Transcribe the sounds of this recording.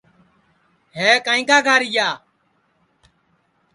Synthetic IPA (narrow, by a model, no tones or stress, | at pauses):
ɦeːkaːĩːkaːɡʱaːɾɪjaː